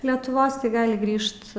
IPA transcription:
lʲɛtʊˈʋoːs tɐɪ ˈɡɑːlʲɪ ˈɡrʲiːʃt

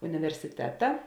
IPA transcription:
ʊnʲɪʋʲɛrʲsʲɪˈtʲæːtɐ

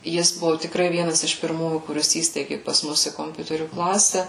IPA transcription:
ˈjɪs ˈbʊʋʊ tʲɪkˈrɐɪ ˈʋʲiɛnɐs ɪʃ pʲɪrˈmuːjuː kʊˈrʲɪs ˈiːsʲtʲɛɪɡʲɪ pɐs ˈmʊs ɪ koːmʲˈpʲʊtʲɛrʲuː ˈklˠɑːsʲɛ

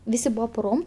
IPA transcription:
ˈʋʲɪsʲɪ ˈbʊʋoː pʊˈroːm

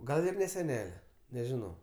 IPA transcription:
ˈɡɐlˠ ɪr nʲɛ sʲɛˈnʲæːlʲɛ nʲɛʒʲɪˈnɐʊ

